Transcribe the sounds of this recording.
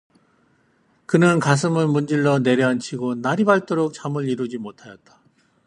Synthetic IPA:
kɯnɯnkas̬ʰɯmɯɭmund͡ʑiɭːʌne̞ɾjʌant͡ɕʰiɡonaɾibaɭt͈oɾok̚t͡ɕamɯɭiɾud͡ʑimotʰajʌt̚t͈ḁ

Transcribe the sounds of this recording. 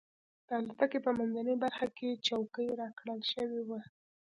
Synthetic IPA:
d̪̥əalɑt̪akepəmanzanəjbaɾxaket͡ʃawkəjɾɑkɽəlʃəwewa

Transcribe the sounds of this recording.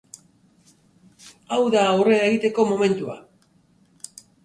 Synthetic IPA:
awðaːwre̞aeɣit̪e̞ko̞mo̞me̞nt̪ua̰

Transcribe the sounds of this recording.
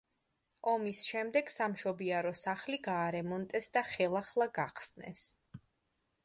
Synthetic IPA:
ɔmisʃɛmd̪ɛɡ̥samʃɔbiaɾɔsaχliɡaːɾɛmɔnt̪ʼɛsd̪aχɛlˠaχlˠaɡaqʰsnɛ̰s

